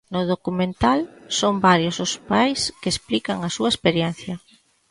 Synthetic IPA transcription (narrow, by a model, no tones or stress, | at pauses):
nʊðokumẽnt̪alsombaɾjʊsʊspajskesplikɐŋɐsuɐespeɾjɛn̟θjɐ